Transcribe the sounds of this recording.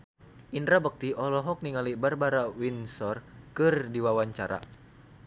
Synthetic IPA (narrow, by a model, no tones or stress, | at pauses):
ʔindɾabək̚t̪iʔɔlɔɦɔk̚niŋalibarbaɾawinsɔrkɨrdiwawaɲt͡ʃaɾa̰